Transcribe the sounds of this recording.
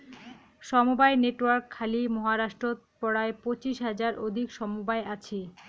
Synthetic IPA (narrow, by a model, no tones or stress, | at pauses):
ʃɔmubaeneʈwaɾkʰːalimɔɦaɾaʃʈɾot̪ | pɔɽaepot͡ɕiʃɦad͡ʑaɾʔod̪ʱikʃɔmubaeat͡ɕʰi